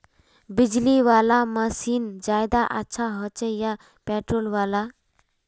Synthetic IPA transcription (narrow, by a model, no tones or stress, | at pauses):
bid͡ʑliʋalaməsiːnd͡ʑajd̪aʔatːɕʰaɦət͡ɕəjːa | pɛʈɾolʋala